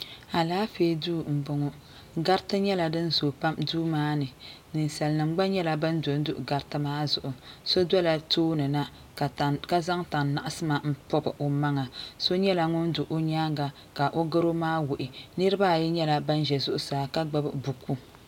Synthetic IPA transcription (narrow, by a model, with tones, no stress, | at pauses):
a˨laː˦feː˦duː˦m̩˨bʊ˨ŋo˦ | ɡa˦ɾtɨ˦ɲɛ˦la˨dɨ˦n˦zo˨pa˦mduː˦maː˦nɨ˨ | nɨ˨n˨sa˨lnɨ˨m˦ɡ͡ba˦ɲɛ˦la˦ba˦n˦do˨n˦dʊ˦ʔɡa˦ɾtɨ˦maː˦zʊ˨ʔʊ˨so˦dɔ˦la˨toː˦nɨ˨na˦˨ | ka˦za˦ŋta˨nːa˨ʔa˦sɨ˦ma˨m̩˦pɔ˦bɨ˨ʔo˨ma˦ŋa˨so˦ɲɛ˦la˨ŋʊ˦n˦du˨ʔo˦ɲaː˦ŋɡa˨ | ka˨ʔo˦ɡɨ˦ɾo˦maː˦wʊ˨ʔɪ˨nɨ˦ɾɨ˦ba˦˨jɛ˦ɲɛ˦la˨ba˦n˦ʒɛ˨zʊ˦ʔʊ˦saː˨ka˦ɡ͡ba˦bɨ˦bu˨ku˦